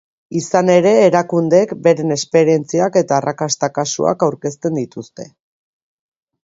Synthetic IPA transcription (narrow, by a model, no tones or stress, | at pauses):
isane̞ɾe̞ːɾakund̪ekbe̞ɾe̞ne̞spe̞ɾie̞nt͡siake̞t̪aːrakast̪akasṵa̰kawɾke̞s̬t̪e̞nd̪it̪ust̪e̞